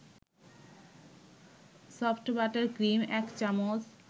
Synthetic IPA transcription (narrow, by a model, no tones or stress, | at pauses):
sɔfʈbaʈeɾɡɾimɛkt͡ɕamos